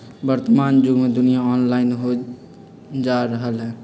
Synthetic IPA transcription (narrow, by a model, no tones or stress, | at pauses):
bəɾt̪əmand͡ʒuɡmed̪ʊnijaɔnlaɪnɦo | d͡ʒaɾəɦəlɦɛ̃